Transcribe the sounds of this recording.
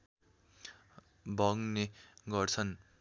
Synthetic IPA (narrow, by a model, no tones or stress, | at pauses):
bʱʌŋneɡʌrt͡sʰʌn